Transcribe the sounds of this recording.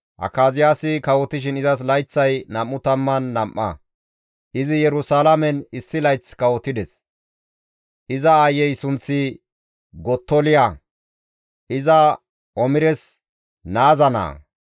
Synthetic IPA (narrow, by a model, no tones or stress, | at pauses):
ʔɐ̰kːaːzɪjaːsɪkɐwɔt̪ɪʃ̬ɪnɪzɐs̬lɐjt͡sːɐjnɐmːʊt̪ɐmːɐnːɐmʔːɐ̰ | ʔɪzɪjɛɾʊsaːlɐmɛnɪsːɪlɐjt͡skɐwɔt̪ːɪd̪ɛs | ʔɪzɐajːɛjsʊnt͡sːɪ | ɡɔt̪ːɔlɪja | ʔɪzɐ | ʔɔmɪɾɛs | naːzɐna̰ː